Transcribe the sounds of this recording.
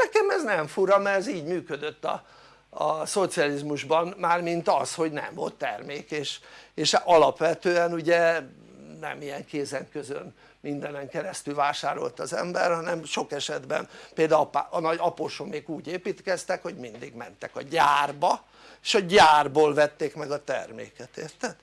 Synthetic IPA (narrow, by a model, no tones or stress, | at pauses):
nɛkɛmɛznɛɱfuɾɒmɛɛziːɟmyːkød̪øt̪ːɒ̰ | ɒso̞t̪siɒlizmuʒbɒnmaːrmint̪ɒsho̞ɟnɛ̰ɱvo̞̰lt̪ːɛ̰rmeːkeːʃeːʃʔɒlɒpʋɛt̪øːɛnuɟɛ | nɛ̰mijɛŋkeːzɛŋkøzø̰n | mind̪ɛnɛŋkɛɾɛst̪ylvaːʃaːɾo̞̰lt̪ɒzɛ̰mbɛrhɒnɛmʃo̞kɛʃɛd̪bɛ̰npeːld̪apaɒnɒɟɒpoːʃomːeːɡuːɟeːpiːt̪kɛst̪ɛkho̞ɟmind̪ḭɡmɛ̰nt̪ɛkɒɟaːrbɒ | eʃɒɟaːrboːlvɛt̪ːeːkmɛɡɒt̪ɛ̰rmḛːkɛt̪eːrt̪ɛd̪̥